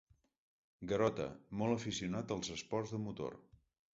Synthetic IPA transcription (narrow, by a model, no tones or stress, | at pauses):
ɡəɾɔt̪ə̰mɔlˠəfisiunat̪əlˠzəspɔrzðəmut̪o̰r